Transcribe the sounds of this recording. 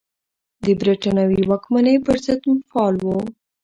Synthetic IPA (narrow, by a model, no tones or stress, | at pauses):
d̪əbɾiʈɑnawiwɑkmanəpəɾzəd̪mfɑlwo